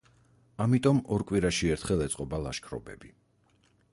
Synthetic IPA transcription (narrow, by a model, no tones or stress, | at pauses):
amit̪ʼɔmɔɾkʼwiɾaʃiɛɾt̪ʰχɛlˠɛt̪sʼqʼɔbalˠa̰ʃkʰɾɔ̰bɛ̰bi